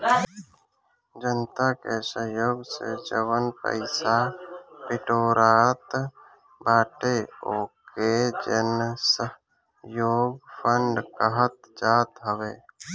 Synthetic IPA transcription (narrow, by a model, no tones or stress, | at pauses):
d͡ʒənt̪akesəɦjoːɡsḛd͡ʒəwənpə̰ɪsapɪʈoːɾaːt̪ | baːʈeoːked͡ʒə̰nsə | joːɡpʰəɳɖkəɦət̪d͡ʒaːt̪ɦəʋeː